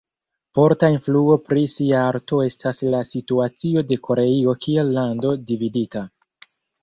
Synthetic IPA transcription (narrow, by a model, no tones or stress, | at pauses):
fo̞ɾtainfluo̞pɾisiaaɾto̞e̞stʰaslasituat͡sio̞de̞ko̞ɾeio̞kie̞lːando̞dividita